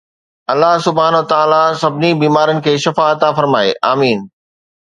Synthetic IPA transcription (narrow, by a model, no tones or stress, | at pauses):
ɐlːaɦsʊbʱaːnʋət̪aːlasɐbʱɪnibiːmaːɾənɪ̆kʰeːʃɐfaɐt̪afɐɾmaːḛʔaːmiːn